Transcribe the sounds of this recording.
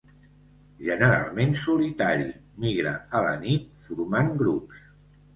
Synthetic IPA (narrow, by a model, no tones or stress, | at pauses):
ʒənəɾa̰lˠmensulit̪aɾimiɣɾə̰ələ̰nit̪fuɾmaŋɡɾups